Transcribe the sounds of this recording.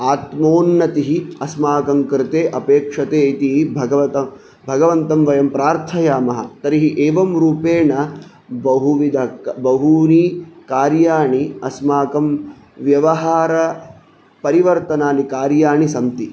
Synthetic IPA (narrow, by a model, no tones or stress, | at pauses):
aːt̪moːnːɐt̪iɦiɐsmaːkɐmkɾɪt̪eːʔɐpeːkʂɐt̪eːit̪iɦibʱɐɡɐʋɐt̪ɐ | bʱɐɡɐʋɐnt̪ɐmʋɐjɐmpɾaːɾt̪ʰɐjaːmɐɦɐ̰t̪ɐɾiɦiʔeːʋɐmɾuːpeːɳɐ | bɐɦuʋid̪ʱɐkbɐɦuniːkaːɾjaːɳiɐsmaːkɐm | ʋjɐʋɐɦaːɾɐ | pɐɾiʋɐɾt̪ɐnaːnikaːɾjaːɳisɐmt̪i